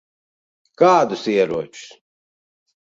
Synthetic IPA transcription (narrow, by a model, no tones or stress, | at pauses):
kaːd̪usiɛɾuɔt͡ʃu̥s